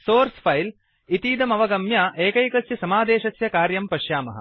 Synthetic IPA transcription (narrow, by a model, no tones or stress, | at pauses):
soːɾsfʰɐjl | it̪iːd̪ɐmɐʋɐɡɐmjaːʔeːkɐjkɐsjɐsɐmaːd̪eːʃɐsjɐkaːɾjɐmpɐʃjaːmɐɦɐ̰̆